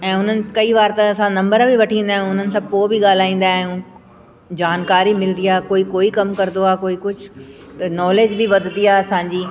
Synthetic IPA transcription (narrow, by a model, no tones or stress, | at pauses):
ɛ̃ːʊn̤ənɪ̆kɐiʋaːɾt̪aɐsãnɐ̃mbəɾ̃bʱiʋɐʈʰĩːn̆d̪aːɦẽʊn̤ənɪ̆sãːpoːbʱiɠaːl̤aːĩːn̆d̪aːɦjũː | d͡ʑaːnkaːɾimɪld̪iaːkoːikoːikɐmkɐɾd̪oaːkoːikʊd͡ʑʱt̪ɐnɔːleːd͡ʑbiʋɐd̪t̪iaːɐsãːɲd͡ʑiː